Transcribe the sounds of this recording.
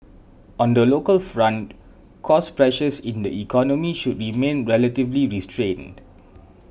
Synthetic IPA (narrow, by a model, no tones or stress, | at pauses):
ɔ̃ndəlokəlfɹãnt̚ | kʰɔspɹɛʃəsĩndəikʰɔnɔmiʃudɹimẽnɹɛlətivliɹistɹẽnd